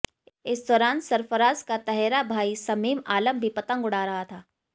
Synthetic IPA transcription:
ɪsd̪ɔːɾaːnsɐɾfəɾaːzkat̪ɐɦɛːɾabʱaːisɐmiːmaːləmbʱipɐt̪ə̃ŋɡʊɽaɾɐɦat̪ʰaː

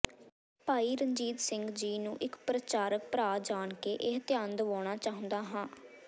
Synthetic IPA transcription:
paːiːɾəɲd͡ʒiːt̪sɪ̃ŋɡd͡ʒiːnũːʔɪkpɾət͡ʃaːɾək̚pɾaːd͡ʒaːɳkeːʔeɦt̪ɪjaːnd̪əʋɔːɽ̃aːt͡ʃaːɦʊ̃nd̪aːɦãː

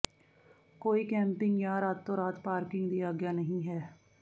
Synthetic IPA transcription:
koːiːkɛ̃ːmpɪ̃ŋɡjãːɾaːt̪ːõːɾaːt̪paːɾkɪ̃ŋɡd̪iːaːɡɪjaːnəɦĩːɦɛː

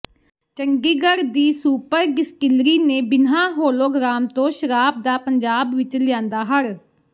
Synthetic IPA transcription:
t͡ʃəŋɡiːɡəɾd̪iːsuːpəɾɡɪskɪlɾiːneːbɪnɦãːɦoːloːɡɾaːmt̪õːʃəɾaːb̚d̪aːpəɲd͡ʒaːbʋɪt͡ʃlɪãːnd̪aːɦəɾ

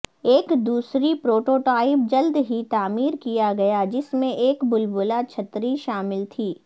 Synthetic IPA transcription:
eːkd̪uːsɾipɾoːʈoːʈaːɪp̚d͡ʒɐld̪ɦit̪aːmiːɾkijaɡɐjad͡ʒɪsmẽʔeːkbʊlbʊlat͡ʃʰɐt̪ɾiʃaːmɪlt̪ʰiː

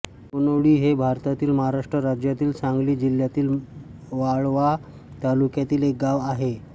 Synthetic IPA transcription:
unoɽiːɦebʱaɾt̪at̪iːlməɦaɾaʂʈɾəɾad͡ʑjat̪iːlt͡sãŋɡliːd͡ʑil̤jat̪iːl | ʋaɭʋa | t̪alukjat̪iːlek̚ɡaʋaɦe

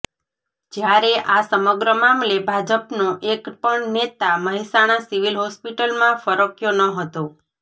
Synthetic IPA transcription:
d͡ʒjaɾeʔasəməɡɾəmamlebʱad͡ʒəpnoʔekpəɳnet̪aməɦisaɽ̃ãsiʋilɦɔspiʈəlmãfəɾokjonəɦət̪o

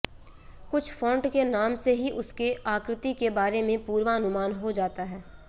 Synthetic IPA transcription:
kʊt͡ʃʰfɔ̃ːɳʈkenaːmseɦiʔʊskeaːkɾɪt̪ikebaːɾemẽpuːɾʋaɐnʊmaːnɦod͡ʒaːt̪aɦɛː

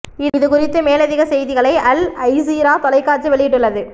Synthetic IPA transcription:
ɪɪðɯkʊrɪt̪ːɯmeːlɐðɪɣɐsɛjðɪɣɐɭɐɪɐlɐɪsiːɾaːt̪ɔlɐɪkːaːʈt͡ʃːɯʋɛɭɪjɪʈːɯɭːɐðɯ

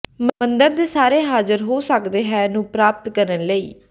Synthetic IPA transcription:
mənd̪əɾd̪eːsaːɾeːɦaːzəɾɦoːsəkd̪eːɦɛːnũːpɾaːp̚t̪kəɾənləḭː

